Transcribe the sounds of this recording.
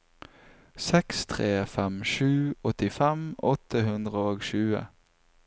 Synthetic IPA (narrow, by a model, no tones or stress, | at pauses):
sɛkst̪ʰʁeːfɛmʃʉːɔt̪ɪfɛmɔt̪əhʉnd̪ʁəoːɡʃʉːə̰